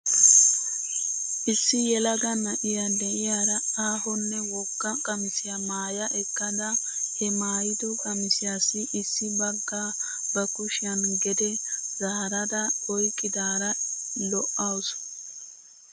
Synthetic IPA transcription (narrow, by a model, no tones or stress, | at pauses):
ʔɪsːɪjɛlɐɡɐnɐʔɪjɐd̪ɛʔɪjaːd̪ɐaːɦɔnːɛwɔkːɐkʼɐmɪsɪjɐmaːjɐʔɛkːɐd̪ɐ | hɛmaːjɪd̪ʊkʼɐmɪsɪjaːsːɪʔɪsːɪbɐɡːaː | bɐkʊʃɪɐnɡɛd̪ɛzaːɾɐd̪ɐɔjkʼːɪd̪aːɾɐlɔʔaws